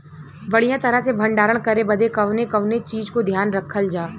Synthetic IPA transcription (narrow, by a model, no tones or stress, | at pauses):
bɐɽ̤ijãt̪ɐɾəɦsebʱə̃ɳɖaːɾəɽ̃kɐɾebɐd̪ekɐʋnekɐʋnet͡ʃiːd͡ʒkod̪ʱjaːnɾɐkʰːəld͡ʒaː